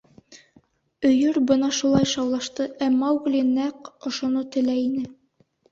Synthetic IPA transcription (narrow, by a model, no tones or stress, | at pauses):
ɵ̆jɵɾbɤnɑʃulˠɑjʃɑwlˠɑʃt̪ɤʔæmɑwɡlʲinæqŏʃŏnɤt̪ɘ̆læinɘ